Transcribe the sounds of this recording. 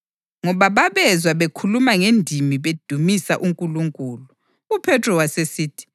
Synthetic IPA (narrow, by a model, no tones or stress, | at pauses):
ŋɔβaβaβɛzwaβekʰulumaŋendʱimiβed̥ʱumisaʔuŋkʼuluŋkʼuːlu | upʰɛtʰrɔwasesiːtʰi̥